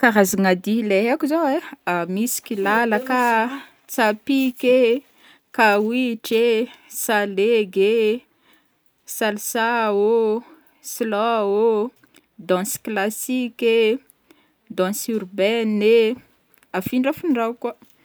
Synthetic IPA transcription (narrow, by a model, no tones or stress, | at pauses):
kaɾaziŋad̪ileɦakuzoeamisi̥kʲilalaka | t͡sapike | kawiʈ͡ʂesaleɡe | salsao | slɔo | d̪ɔ̃sklasikʲe | d̪ɔ̃surbɛne | afiɳɖ͡ʐafuɳɖ͡ʐawka